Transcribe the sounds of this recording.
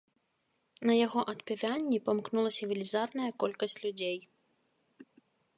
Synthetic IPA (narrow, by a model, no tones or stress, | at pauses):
nɐjaɣɔʔɐt̪pʲɛvʲanʲːipamknulˠɐsʲɐvʲilʲizarnɐjɐkɔlʲkɐsʲt͡sʲlʲud͡zʲej